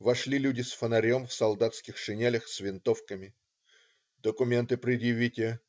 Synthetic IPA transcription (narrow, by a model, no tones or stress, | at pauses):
vɐʂlʲilʲudʲɪsfənɐɾʲo̞mfsɐlˠd̪at̪skʲɪxʂɨnʲelʲəxsʲvʲɪnt̪o̞fkəmʲɪ | d̪əkʊmʲe̞nt̪ɨpɾʲɪd̪jɪvʲitʲɪjə